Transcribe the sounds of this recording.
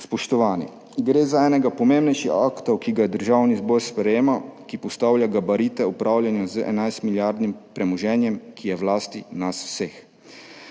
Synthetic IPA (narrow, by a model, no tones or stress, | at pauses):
spɔʃt̪ɔʋaːnḭ | ɡɾeːzaɛːnɛɡapɔmembnɛjʃixakt̪ɔwkiɡad̪əɾʒaːwnizbɔːɾspɾɛjeːmakipɔst̪aːwljaɡabaɾit̪ɛupɾʔaːwlʲjanjazəʔɛ̰najst̪miljaɾd̪nimpɾɛmɔʒɛːnjɛmkijɛwlaːst̪inasw̥seːx